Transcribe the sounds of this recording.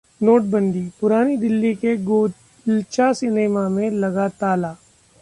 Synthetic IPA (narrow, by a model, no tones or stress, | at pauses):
noːʈ̚bɐ̃nd̪ipʊɾaːnid̪ɪlːikeɡoː | lt͡ʃasɪneːmamẽlɐɡat̪aːlaː